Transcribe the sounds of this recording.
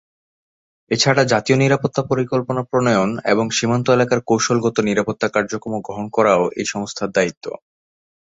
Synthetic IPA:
et͡ɕʰaɽad͡ʑat̪ioniɾapot̪ːapoɾikolponapɾonojonḛboŋʃimant̪oelakaɾkowʃolɡɔt̪oniɾapot̪ːakaɾd͡ʑokɾomoɡɾoɦonkɔɾaoʔḛjʃɔŋost̪ʰaɾd̪ait̪ːo̰

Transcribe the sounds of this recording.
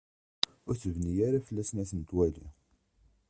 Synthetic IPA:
ʊɾθəvnijaɾafəlːæsnæsənt̪wæli

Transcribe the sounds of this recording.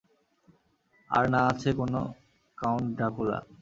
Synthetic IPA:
a̰ɾnaat͡ɕʰekono | kawɳʈɖakula̰

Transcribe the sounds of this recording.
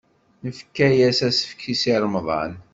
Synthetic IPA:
nəfkːæjæsæsə̥fkʰːisiɾˤmðˤɑ̰n

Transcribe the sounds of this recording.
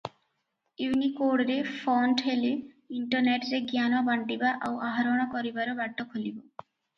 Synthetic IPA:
uwnikoɽɔɾefʰɔnʈɦele | iɳʈɔɾneʈɾeɡjanabaɳɖibaʔawaɦaɾɔɽ̃ɔkɔɾibaɾɔbaʈːɔkʰolibɔ

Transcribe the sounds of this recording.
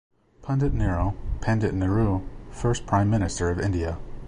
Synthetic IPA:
pʰʌ̃ndɨʔⁿnɛɹoʊpʰɛ̃ndɨʔⁿnɨɹufɜ˞spʰɹ̥ãɪ̃mːɪ̃ñɨstə˞ʌvɪ̃ndiɨ

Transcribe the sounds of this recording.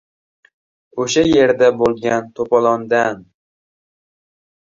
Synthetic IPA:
oʃaje̞ɾd̪abolˠɡʲant̪ʰopɒlˠɒnd̪an

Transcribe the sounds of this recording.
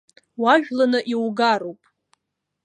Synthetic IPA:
waʒᶣlanɨʔiwɡarowpʼ

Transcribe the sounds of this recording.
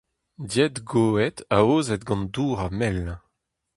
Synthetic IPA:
djɛt̪ɡoːɛt̪aoːzɛt̪̚ɡɑ̃nd̪uːʁamɛl

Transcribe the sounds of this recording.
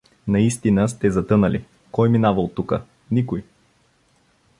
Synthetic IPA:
nɐist̪inəst̪ɛzɐt̪ɤnəli | kɔjminavəlˠt̪ukə | nikʊj

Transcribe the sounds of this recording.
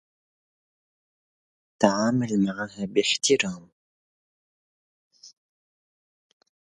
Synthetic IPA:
t̪aʕaːmalmaʕaːhaːbɪħt̪ʰɪɾɑːm

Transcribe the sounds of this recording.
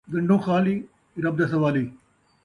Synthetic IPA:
ɡɐɳɖõːxaːliː | ɾɐb̚d̪ɐsɐʋaːliː

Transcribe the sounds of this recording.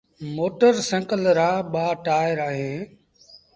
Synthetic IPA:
moːʈəɾsə̃ŋkəlɾaːɓaːʈaːɪɾaːɦeː

